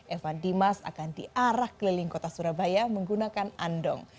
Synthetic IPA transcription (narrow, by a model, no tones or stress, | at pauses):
ʔefandimasa̰kandiʔaɾahkəlilɪŋkot̪asuɾabajaməŋɡunakanandɔ̰ŋ